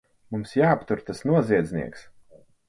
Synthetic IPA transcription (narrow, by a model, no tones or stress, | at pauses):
mumsjaːapt̪uɾt̪asnuɔziɛd̪znḭɛks